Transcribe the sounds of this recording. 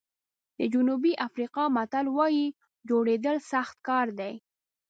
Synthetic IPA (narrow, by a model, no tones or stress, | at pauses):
d̪əd͡ʒʊnubiʔafɾiqɑmat̪alwɑji | d͡ʒoɽed̪əlsaxt̪kɑɾd̪aj